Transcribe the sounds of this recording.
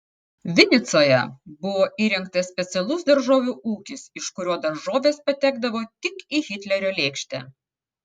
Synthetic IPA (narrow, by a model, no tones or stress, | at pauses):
ʋʲɪnʲɪt̪soːjɛ̰bʊʋoːʔiːɾʲɪŋkt̪ɐssʲpʲɛt̪sʲɛlˠʊsd̪ɐɾʒoːʋʲuːʔuːkʲɪsɪʃkʊɾʲoːd̪ɐɾʒoːʋʲeːspɐt̪ʲæːɡd̪ɐʋoːt̪ʲɪkiɣʲɪt̪ʲlʲɛɾʲoːlʲeːkʃʲt̪ʲæ̰ː